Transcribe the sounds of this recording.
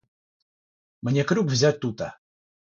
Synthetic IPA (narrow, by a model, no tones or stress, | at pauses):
mnʲekɾʲukvzʲat̚ʲt̪ut̪ə